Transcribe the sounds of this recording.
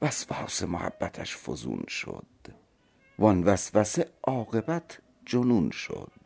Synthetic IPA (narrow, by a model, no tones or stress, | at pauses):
væsvæsemohæ̰bːæt̪ʰæ̰ʃfo̰zṵːnʃo̰d̪̥ | vɒnvæsvæseʔɒːɣebæt̪ʰ | d͡ʒonuːnʃo̰d̪̥̚